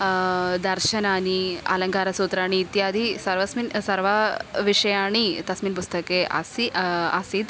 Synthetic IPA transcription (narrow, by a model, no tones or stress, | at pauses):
d̪ɐɾʃɐnaːniɐ̰lɐŋkaːɾɐsuːt̪ɾaːɳ̃iːt̪jaːd̪ʱisɐɾʋɐsmiːnsɐɾʋɐʋiʂɐjaːɳit̪ɐsmiːnpust̪ɐkeːʔɐ̰siɐsid̪